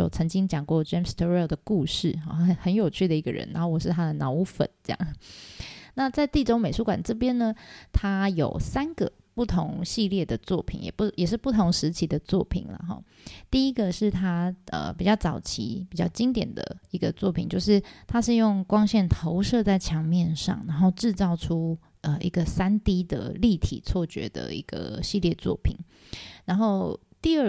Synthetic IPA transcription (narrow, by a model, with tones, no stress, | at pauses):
o˥˨˩ʊt͡sʰɤ˧˥ŋt͡ɕi˥ŋt͡ɕjɑ˨˩ŋkwɔ˥˧ʈ͡ʂɛ˥mst̪ʰɹɛ˥˩ʊd̪ə˩ku˥˧ʂɻ̩˥˩xɔ̰˥˧˩ə˧˦xə˧˥njo˨˩ʊt͡ɕʰy˥˩d̪ə˩i˧˥ɡə̰˨ɻə̰˧˦na˧˥xo˥˩ʊwɔ˨˩ʂɻ̩˥˩t̪ʰa˥d̪ə˨nɑ˧˥ʊu˧˥fə̰˨˩˦nt͡sə˥˧jɑ̰˥˩ŋ˩na˥˧t͡sa˥˧ɪt̪i˥˩ʈ͡ʂo˥ʊme˨˩ɪʂu˥kwa̰˨˩nʈ͡ʂɤ˥˩pjɛ˥nnə˨t̪ʰa˥jo̰˨˩ʊsa˥nɡ̥ə̰˨ | pu˥˩t̪ʰo˧˥ŋɕi˥˧ljɛ˥˩d̪ə˩t͡swɔ˥˩pʰḭ˨˩njɛ̰˨˩pu˥jɛ˨˩ʂɻ̩˥˧pu˥˩t̪ʰʊ˧˥ŋʂɻ̩˧˥t͡ɕʰi˧˥d̪ə˧t͡swɔ˥˩pʰḭ˨˩nlə̰˦xɔ̰˥˩ | t̪i˥˩i˥ɡə˨ʂɻ̩˥˩t̪ʰa˥ə̰˨˩pi˨˩t͡ɕjɑ˥˩t͡sɑ˨˩ʊt͡ɕʰḭ˧˥pi˨˩t͡ɕjɑ˥˩ʊt͡ɕi˥ŋt̪jɛ̰˨˩nd̪ə̰˩i˧˥ɡə˧t͡swɔ˥˩pʰi˨˩nt͡ɕjo˥˧ʊʂ̬ɻ̩˥˩t̪ʰa˥ʂɻ̩˥˧jʊ˥˩ŋkwɑ˥ŋɕjɛ˥˩nt̪ʰo˧˦ʊʂɤ˥˧t͡sa˥˩ɪt͡ɕʰjɑ˧˥ŋmjɛ˥˧nʂɑ̰˥˩ŋna˧˥nxo˥˧ʊʈ͡ʂɻ̩˥˧t͡sɑ˥˩ʊʈ͡ʂʰu˥ | ə˨i˧˥ɡə˨sa˥nt̪i˥d̪ə̰˨li˥˩t̪ʰḭ˨˩t͡sʰwɔ˥˩t͡ɕɥɛ̰˧˥d̪ə̰˧ḭ˧˥ɡ̥ə̰˧˩ɕi˥˧ljɛ˥˧t͡swɔ̰˥˩pʰḭ˨˩˦n | ɻa˧˥nxo˥˩ʊ | t̪i˥˧ə˥˩